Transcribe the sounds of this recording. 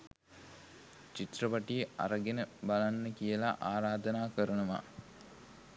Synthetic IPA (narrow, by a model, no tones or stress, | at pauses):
t͡ʃit̪rəʋaʈiʔa̰ɾəɡenəbalanːəkijəla̰ʔaːɾaːd̪ənaːkəɾənəʋa̰